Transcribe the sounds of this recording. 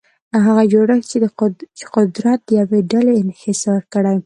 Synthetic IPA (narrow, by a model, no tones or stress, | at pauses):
ɦaɣad͡ʒoɽəxt͡ʃeqʊd̪ɾat̪̚d̪əjaweɖaleɪnhɪsɾkəɽaj